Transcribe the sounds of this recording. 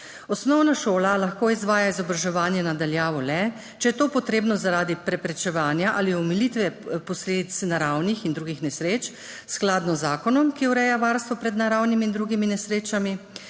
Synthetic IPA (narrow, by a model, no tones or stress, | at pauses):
ɔsnɔwnaʃoːlalaxkoːizʋaːjaizɔbɾaʒɛʋaːnjɛnad̪aljaːʋɔlɛ | t͡ʃɛjɛt̪oːpɔt̪ɾeːbnɔzaɾaːd̪ipɾɛpɾɛt͡ʃɛʋaːnjaʔaːliɔmilit̪ʋɛpɔsleːd̪it̪snaɾawnixind̪ɾuːɡixnɛsɾeːt͡ʃ | sklad̪nɔzːaːkɔnɔmkiuɾɛjaʋaːɾst̪ʋɔpɾɛd̪naɾawnimiːnd̪ɾuɡiminɛsɾeːt͡ʃami